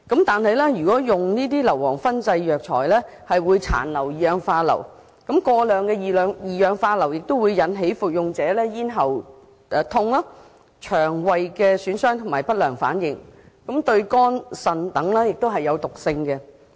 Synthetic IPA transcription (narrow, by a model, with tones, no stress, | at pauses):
kɐ˨˥mt̪aː˨nhɐ˨jlɛ˥jyː˨˩kɔː˨˥jʊ˨ŋniː˥t̪̬iː˥lɐ˨˩wɔː˨˩ŋfɐ˥nt͡sɐ˧jjœː˨k̚t͡ʃʰɔ̰ː˨˩jlɛː˥ | hɐ˨jwuː˨˧jt͡sʰa̰ː˨˩nlɐ˨˩wjiː˨jœː˨˧ŋfaː˧lɐ̰˨˩w | kɐ˨˥mkɔː˧lœː˨˧ŋkɛ˧jiː˨˩lœː˨˧ŋjiː˨jœː˨˧ŋfaː˧lɐ˨˩wjɪ˨k̚t̪wuː˨˧jjɐ˨˥nɦe˨˥jfu˨k̚jʊ˨ŋt͡sɛː˨˥lɛː˥jiː˥nɦɐ˨˩w | ɛ˨˧t̪ʰʊ˧ŋlɐ˥ | t͡ʃʰœː˨˩ŋwɐ˨jkɛː˧syː˨˥nsœː˥ŋt̪ʰʊ˨˩maː˨˩jpɐ˥t̚lœː˨˩ŋfa̰ː˨˥njɪ˨ŋ | kɐ˨˥mt̪ɵ˧ɥkɔː˥nsɐ˨˧nt̪ɐ˨˥ŋlɛː˥jɪ˨k̚t̪o˥ɦɐ˨jɐ˨˧wt̪ʊ˨k̚sɪ˧ŋkɛ˧